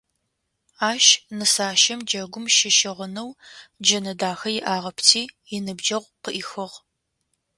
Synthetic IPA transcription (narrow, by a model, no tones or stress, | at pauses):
aːʃnɨsaːʃɐmd͡ʒɐɡʷʊmʃɪʃɪʁənɐwd͡ʒɐnɐdaːxɐjɪʔaːʁɐpʰtʰiːjɪnɨbd͡ʒɐʁʷqəʔixɨʁ